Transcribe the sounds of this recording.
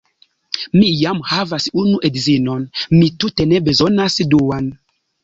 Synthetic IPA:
mijamhavasunuʔedzinonmitute̞ne̞be̞zonasduwan

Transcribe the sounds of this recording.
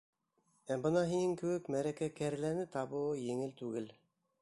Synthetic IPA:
æbɤnɑɦinɘŋkɘ̆wɘkmæɾækækæɾlænɘt̪ɑβɤwjɘ̆ŋɘlt̪ʉɡɘl

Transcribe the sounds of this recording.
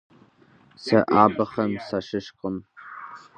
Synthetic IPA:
sɐʔaːbɐχɐmsaʃɨʃqʼəm

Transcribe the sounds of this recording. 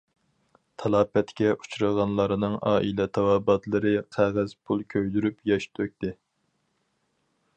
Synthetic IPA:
t̪ʰɑlˠɑːpɛt̪kʲɛʔu̥t͡ʃʰɾɑʁɑnlˠɑɾɨnɨŋʔɑːʔilɛt̪ʰɑwɑːbɑt̪lˠɨɾɨqʰæʁæz̥pʰulˠkʲʰøjd̪yɾypjɑʃt̪ʰøk̚ʲt̪ɪ

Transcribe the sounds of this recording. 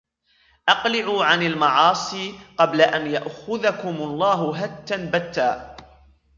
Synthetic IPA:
ʔɑqlɪʕuːʕanalmɑʕɑːsˤiːqɑblaʔanjaʔxʊðakʊmlˤːɑːɦʊɦat̪ːanbat̪ːaː

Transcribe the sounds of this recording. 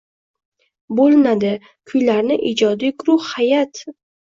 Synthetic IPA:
bolˠɪnad̪ɪ | kʰʊjlaɾnɪʔid͡ʒɒd̪ijɡʊɾʊhhajat̪

